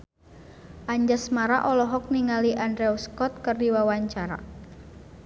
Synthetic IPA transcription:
ʔaɲd͡ʒasmaɾaʔɔlɔɦɔk̚niŋaliʔandɾɛuskɔt̪̚kərdiwawaɲt͡ʃaɾa̰

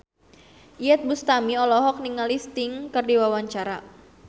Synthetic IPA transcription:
ʔiɛt̪̚bust̪amiɔlɔɦɔk̚niŋalist̪ɪŋkɨrdiwawaɲt͡ʃaɾa

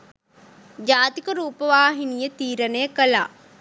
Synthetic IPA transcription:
d͡ʒaːt̪ikəɾuːpəʋaːɦinijət̪iːɾənəjəkəlaː

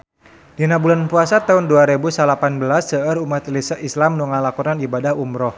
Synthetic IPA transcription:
dinabulanpuasat̪aunduaɾebusalapanbəlasːəəɾumat̪lsislamnuŋalakunanibadahumɾɔh

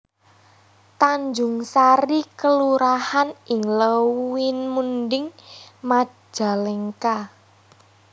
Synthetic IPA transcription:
t̪aɲd͡ʒʊŋsaɾikəluɾahanɪŋləwɪnmundɪŋmḁ | ʒ̥a̤lɛŋka

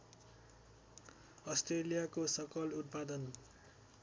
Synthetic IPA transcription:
ʌsʈrelijakosʌkʌlut̪̚pad̪ʌn

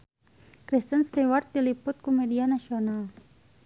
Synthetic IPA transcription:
kɾist̪ənst̪iwart̪̚dilipʊt̪̚kumɛdianasional

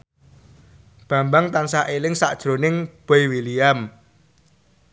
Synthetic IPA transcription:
b̥ä̤mbaŋt̪ansaʔelɪŋsa̰ʔd̥ʒ̥ɾo̤nɪŋb̥ɛjwiliam

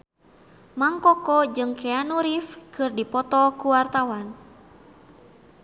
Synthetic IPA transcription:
maŋkɔkɔd͡ʒɨŋkʰɛanuɾifkɨrdipɔt̪ɔkuwart̪awan

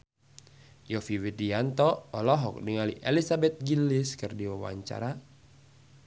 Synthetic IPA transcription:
jɔfiwidiant̪ɔɔlɔɦɔk̚niŋaliʔelisabɛt̪̚ɡilɪskɨrdiwawa̰ɲt͡ʃa̰ɾa

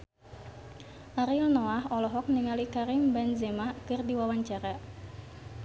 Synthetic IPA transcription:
ʔaɾilnɔaɦɔlɔɦɔk̚niŋalikaɾimbɛnzɛmakɨrdiwawaɲt͡ʃaɾa

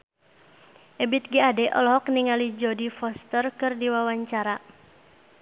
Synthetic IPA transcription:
ʔɛbit̪̚ɡiadɛʔɔ̰lɔɦɔk̚niŋalid͡ʒɔdifɔst̪ərkɨrdiwawaɲt͡ʃaɾa

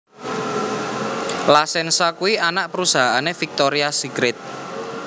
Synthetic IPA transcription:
lasɛnsakuianaʔpəɾusaɦaanefik̚t̪oɾiasiɡɾɪt̪̚

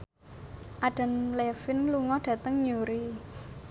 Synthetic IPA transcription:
ʔaɖ̥ə̤nlɛfɪnluŋɔɖ̥ä̤t̪əŋɲoɾi

